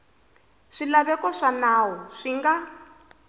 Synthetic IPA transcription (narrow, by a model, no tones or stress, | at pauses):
ʂilaβɛkɔʂanaːwɔʂiŋɡa